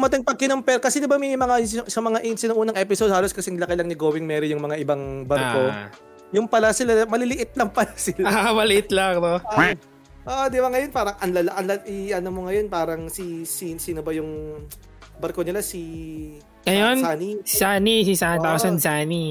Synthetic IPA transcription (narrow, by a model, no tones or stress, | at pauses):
ɡʊmɐt̪ɪŋpɐɡ̚kɪnompɛlkɐsɛd̪ɪbamɐjmɐŋasɐmɐŋaʔɪnsɪnoʔuːnɐŋʔɛpɪsod̪̚haːloskɐsɛŋlɐkɐjlɐŋnɪɡoːwɪŋmɛːɾojʊŋmɐŋaʔɪbɐŋbɐɾko | jʊŋpɐlasɪlamɐlɪlɪʔɪt̪̚lɐŋpɐlasɪlaamɐlɪʔɪt̪lakoa | ʔoʔod̪ɪbaŋɐjonpaːɾɐŋʔɐnlɐlaʔɐnlɐʔɪʔɐnomoŋɐjo̞npaːɾɐŋsisinsinobɐjʊŋ | bɐɾkonɪlasi | ɐjonsaːnissaːnisisant̪asɐnsaːni